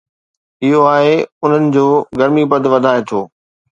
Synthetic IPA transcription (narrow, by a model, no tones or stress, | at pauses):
ɪɦoaːɦeʊn̤ənɪ̆d͡ʑoːɡɐɾmipɐd̪ʋɐd̪ʱaːet̪ʰoː